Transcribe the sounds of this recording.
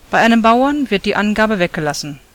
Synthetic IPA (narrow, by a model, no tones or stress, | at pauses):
b̥aɪʔaɪnəmbaʊɐnvɪɐt̚d̥iːʔanɡaːbəvɛk̚ɡ̥əlasn̩